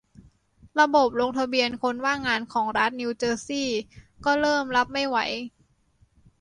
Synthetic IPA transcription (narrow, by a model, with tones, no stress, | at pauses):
ɾa˧bo˨˩p̚lo˧ŋt̪ʰa˧bi˧ənkʰo˧nwaː˥˩ŋaː˧nkʰɔː˩˦ŋɾa˦˥t̪̚niː˧wt͡ɕɤː˧siː˥˩kɔː˥˩ɾɤː˥˩mla˦˥p̚ma˥˩jwa˩˦j